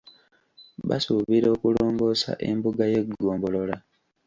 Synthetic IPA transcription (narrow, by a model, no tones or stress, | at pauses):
βa̰suβiɾo̞ːkulo̞ːmɡo̞ːsa̰ʔe̞mbuɡaje̞ɡːoːmbo̞lo̞la